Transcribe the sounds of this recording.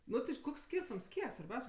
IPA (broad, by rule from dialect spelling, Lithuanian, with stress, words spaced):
ˈnʊ tʲɪ ˈkoːks ˈsʲkʲiːrtʊms ˈkʲiɛk sʋɐrʲˈbʲɛʊsʲ